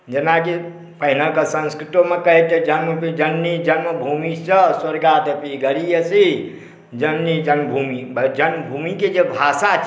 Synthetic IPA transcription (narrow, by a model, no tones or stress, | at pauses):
d͡ʒenaki | pəɦinəkəsə̃nskɾit̪omekəɦit̪d͡ʒənməpid͡ʒənːid͡ʒənməbʱumisəswəɾɡad̪epiɡəɾijəsi | d͡ʒənːid͡ʒənmbʱumid͡ʒənməbʱumiked͡ʒebʱasa